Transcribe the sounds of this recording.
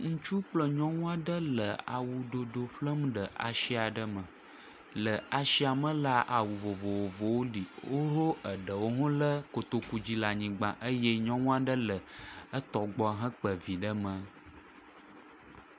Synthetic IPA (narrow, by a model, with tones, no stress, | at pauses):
ŋũ˦t͡ʃu˦k͡plə˦ɲɔ̃˦ŋũ˦a˦ɖə˦lə˨a̰˨wu˨ɖo˨ɖo˨ɸlə˦mɖə˨ʔa̰˨ʃi˦a˨ɖə˦mə̃˨ | lə˨a˨ʃi˦a˨mə̃˦la˦ʔa˨wu˨vo˨vo˨wo˨vo˨wo˦li˨wo˦ɦo˦ʔə˨ɖə˨wo˦ɦɔ̃˦lə˦ko˨t̪o˨ku˨d͡ʑi˦la˨ɲĩ˨ɡ͡bã̰˨ʔə˦jɛ˦ɲɔ̃˦ŋũ˦a˦ɖə˦lə˨ə˦t̪ɔ˨ɡ͡bɔ˨a˨ɦə̃˦k͡pə˨vi˨ɖə˦mə̃˨